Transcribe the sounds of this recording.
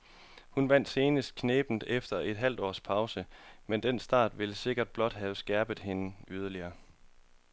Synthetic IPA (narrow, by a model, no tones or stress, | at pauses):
hunʋæn̰d̥se̝ːnəsd̥̚kʰneːb̥n̩d̥efd̥ɐʔe̝d̥ɦæl̰d̥ɒ̰ːspʰɑ̈ʊsəmend̥en̰sd̥ɑ̰̈ːd̥ʋe̝ləse̝ɡ̥ɐd̥̚b̥lɒ̽d̥ɦæʊsɡ̥æɐb̥ð̩ˠhe̝nəyð̞ˠɐliɐː